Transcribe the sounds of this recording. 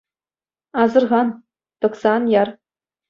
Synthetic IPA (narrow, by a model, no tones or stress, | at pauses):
ɑzɤ̆rʁɑn | t̪ɤ̆ksɑnjɑr